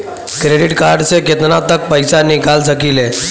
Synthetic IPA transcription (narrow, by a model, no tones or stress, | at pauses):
kɾeɖiʈkaɾɖt͡seket̪ənat̪ək̚pəjsanikald͡zəkile